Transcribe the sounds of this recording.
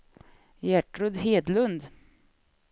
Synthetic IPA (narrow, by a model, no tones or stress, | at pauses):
jæʈɾɵd̪ɦeːd̪lɵnd̪